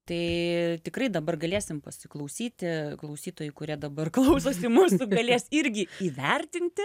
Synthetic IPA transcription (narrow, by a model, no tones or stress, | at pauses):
t̪ɐɪt̪ʲɪkrɐɪd̪ɐbɐrɡɐlʲeːsʲɪmpɐsʲɪklˠɐʊsʲiːt̪ʲɪklˠɐʊsʲiːt̪oːjʊɪkʊɾʲiɛd̪ɐbɐrklˠɐʊsoːsɪmuːsʊɡɐlʲeɛsɪɾʲɡʲɪiːʋʲɛrʲt̪ʲɪnʲt̪ʲɪ